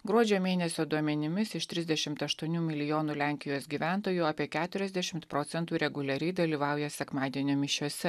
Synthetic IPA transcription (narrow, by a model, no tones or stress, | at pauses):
ɡɾuɔd͡ʒʲoːmʲeːnʲɛsʲoːd̪uɔmʲɛnʲɪmʲɪsɪʃt̪ʲɾʲɪzʲd̪ʲɛʃʲɪmt̪ɐʃt̪uɔnʲuːmʲɪlʲɪjoːnuːlʲæˑŋʲkʲɪjoːsɡʲiːʋʲæˑnt̪oːjuːɑːpʲiɛkʲæːt̪ʊɾʲɛzd̪ʲɛʃʲɪmt̪pɾoːt̪sʲɛnt̪uːɾʲɛɡʊlʲɛɾʲɛɪd̪ɐlʲiːʋɑˑʊjɛsʲɛkmɑːd̪ʲiɛnʲoːmʲɪʃʲuɔsʲɛ